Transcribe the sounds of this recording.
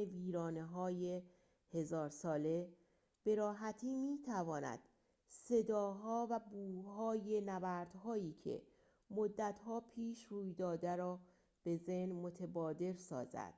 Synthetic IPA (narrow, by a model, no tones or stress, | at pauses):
eviːɾɒːneɦɒːje | he̞zɒːɾsɒːle̞ | b̥e̞ɾɒːɦæt̪ʰiːmiːt̪ʰævɒːnæ̰d̪̥ | se̞d̪ɒːɦɒːvæbuːɦɒːje̞nævæɾd̪̥ɦɒːjiːcʰe̞̰ | mod̪ːæt̪hɒːpʰiːʃruːjd̪ɒːd̪æɾɒː | b̥e̞zehnmo̞t̪ʰebɒːd̪e̞ɾsɒ̰ːzæ̰d̪̥